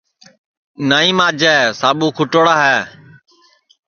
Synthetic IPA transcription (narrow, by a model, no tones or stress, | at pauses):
naːĩːmaːd͡ʒɛːsaːɓuːkʰʊʈoːɽaːɦɛː